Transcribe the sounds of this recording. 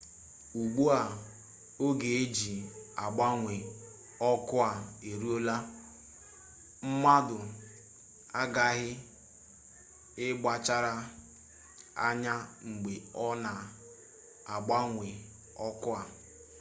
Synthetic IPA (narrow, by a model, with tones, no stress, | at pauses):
u˨ɡ͡bu˦a˨ | o˦ɡe˨e˦d͡ʒi˨a˨ɡ͡ba˦ŋʷe˨ | ɔ˦kʊ˦a˨e˨ɾu˦o˦la˦ | m̩˦ma˦dʊ˨ | a˦ɡa˦ɦɪ˦ | ɪ˦ɡ͡ba˨t͡ʃa˦ɾa˦ | a̰˦ɲa˦ŋ͡m̩˨ɡ͡be˨ɔ˦na˨ | a˨ɡ͡ba˦ŋʷe˨ | ɔ˦kʊ˦a˨